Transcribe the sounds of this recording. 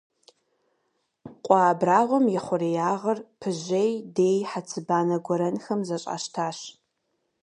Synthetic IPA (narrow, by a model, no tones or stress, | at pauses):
qʷʼɑːbraːʁʷɔmjɛχʷʊrejaːʁɐrpʰɨʑejdeːjħat͡sʰɨbaːnɐɡʷɔɾɐnxɐmzɐɕʼa̰ːʃtʰaːɕ